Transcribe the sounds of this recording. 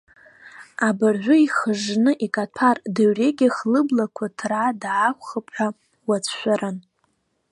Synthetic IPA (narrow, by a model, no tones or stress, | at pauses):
abarʕʷʊiχəʐnɨʔikʼatʰardaɥre̞ɡʲɪχlɨblakʷʰatʰradːkʷχapʼħa | wat͡sʰʃʷᶣaɾʔan